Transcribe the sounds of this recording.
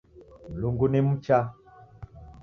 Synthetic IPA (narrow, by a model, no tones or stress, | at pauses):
loŋɡonem̩t͡ʃa